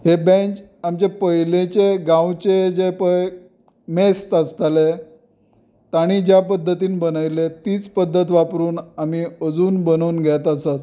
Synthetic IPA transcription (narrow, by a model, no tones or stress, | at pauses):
ɦebẽt͡ɕamt͡ɕepəɦilet͡ɕeɡãwt͡ɕed͡ʑepə | mest̪əst̪ale | t̪aɽ̃iːd͡ʑjapəd̪ʱːət̪iːnbənajlet̪iːt͡spəd̪ʱːət̪ʋapɾuːnamiəd͡zuːnbənəuːnɡʱɛt̪asat̪